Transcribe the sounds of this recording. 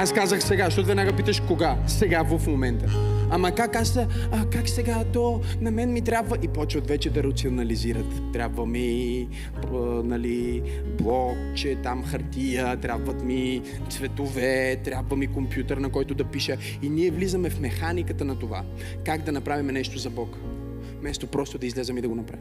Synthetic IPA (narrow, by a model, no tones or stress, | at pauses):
askazəxsɛɡaʃt̪ɔvɛd̪naɡapit̪əʃkoɡa | sɛɡavɐfmomɛnt̪ə | ɐmɐkakas | kaksɛɡat̪ɔ | nɐmɛnmit̪ɾʲabvəʔipɔt͡ʃvət̪vɛt͡ʃɛd̪ɐɾɐt̪sionɐliziɾət̪ːɾʲabvəmi | ənɐli | blˠɔkt͡ʃɛt̪amxɐɾt̪ijət̪ɾʲjabvət̪mi | t̪svɛt̪ovɛt̪ɾʲabvəmikompjut̪əɾnɐkɔjt̪ʊd̪ɐpiʃə | iniɛvlizəmɛfmɛxanikət̪ənɐt̪ova̰ | kaɡd̪ɐnɐpɾavimɛnɛʃt̪ozɐbɔk | mɛst̪opɾɔst̪ʊd̪ɐizlɛzəmid̪ɐɡonɐpɾa̰vi